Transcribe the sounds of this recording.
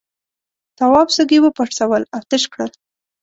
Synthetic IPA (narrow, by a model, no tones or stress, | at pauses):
t̪awɑbsəɡiwəpaʈsawəlaft̪ɪʃkɽəl